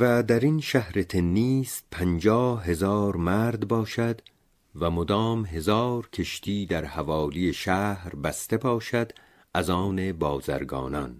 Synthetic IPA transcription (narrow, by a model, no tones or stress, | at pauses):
væd̪æɾinʃæhɾe̞t̪ʰenːiːst̪̚pʰænd͡ʒɒːɦe̞zɒːɾmæɾd̪bɒːʃæd̪ | væmod̪ɒːmɦe̞zɒːɾkʲʰe̞ʃt̪ʰiːd̪æɾhævɒːlijeʃæːhɾbæst̪e̞bʰɒːʃæd̪ | æzɒːne̞bɒːzæ̰ɾɡɒ̰ːnɒ̰n